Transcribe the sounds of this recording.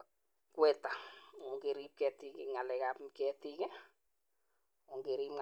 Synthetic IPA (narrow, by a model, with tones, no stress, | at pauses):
kwɛ˦ta˨o˨ŋɡe˨ɾi˦p̚kɛ˨ti˦kɪ˨ŋa˨lɛ˨kapmkɛ˦ti˦ke˦ | o˨ŋɡe˨ɾiː˦m